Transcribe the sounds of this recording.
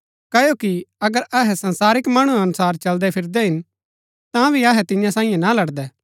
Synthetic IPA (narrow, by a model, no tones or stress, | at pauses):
kɐjokiɐɡəɾɐɦɛsɐ̃nsaːɾɪkmaːɽ̃ũɐnʊsaːɾt͡ʃɐld̪ɛpʰɪɾd̪ɛɦɪn | t̪ãbʱiɐɦɛt̪ɪ̃jãsãːĩjẽnalɐɽd̪ɛː